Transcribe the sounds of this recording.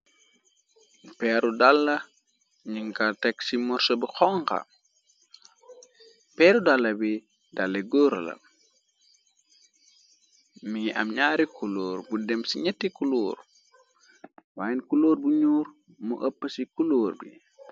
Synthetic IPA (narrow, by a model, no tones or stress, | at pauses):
pɛːɾudalːɐ | ɲiŋkatɛksimɔɾsɔbixɔŋka̰ | pɛːɾudalːɐbi | dalːɐɡoːɾɐ̰lɐ̰ | miɐ̰mɲaːɾikʰuloːɾbudɛmsiɲɛtːikulɔːr | waːjɛnkuloːɾbuɲuːɾ | mṵʔəpːəsikuloːrbḭ